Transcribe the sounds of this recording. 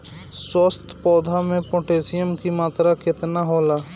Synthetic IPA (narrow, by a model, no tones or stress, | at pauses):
səst̪ʰpɔːd̪ʱamẽpɔ̃ʈeːsijəmkimaːt̪ɾakɪt̪naɦoːlaː